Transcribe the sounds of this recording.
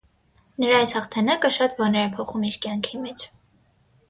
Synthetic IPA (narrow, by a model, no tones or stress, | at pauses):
nəɾɑɑjshɑχt̪ʰɛnɑkəʃɑt̪bɑnɛɾɛpʰɔχumiɾkjɑŋkʰimɛt͡ʃʰ